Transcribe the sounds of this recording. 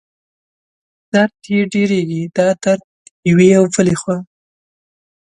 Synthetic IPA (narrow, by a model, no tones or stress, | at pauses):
d̪̥aɾt̪eɖeɾeɡid̪̥ɑd̪aɾd̪̚ | jweawvəlexwɑ